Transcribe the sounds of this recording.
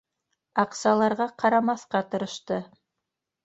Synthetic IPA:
ɑqsɑlˠɑɾʁɑqʰɑɾɑmɑθqɑt̪ɤ̆ɾɤ̆ʃt̪ɤ

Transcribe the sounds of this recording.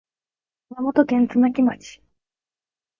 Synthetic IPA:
mamot̪o̞kẽnt͡sɨnakʲimat͡ɕi̥

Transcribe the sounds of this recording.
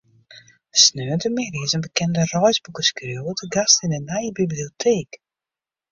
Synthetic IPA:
snøːəntəmeːrizənbəkɛndərɔjzbukəskrøwətəɡastɪnənajbibliotʰeːk

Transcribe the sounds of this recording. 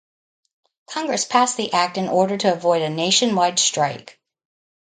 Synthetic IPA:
kʰɑ̃ŋɡɹɨspʰæsðiʔæk̚tɨ̃nɔɹɾə˞ɾɨːvɔɪɾɨneɪʃɨ̃nwaɪd̥stɹ̥aɪk

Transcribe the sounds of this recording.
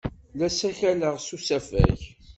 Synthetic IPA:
læsæçæləʁsusæfæ̰ç

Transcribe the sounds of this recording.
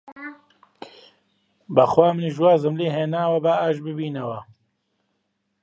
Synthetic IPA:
bɐxwaːmɨniʒwaːzɨmleːɦeːnaːwɐbaaːʒbɨbiːnɐwɐ

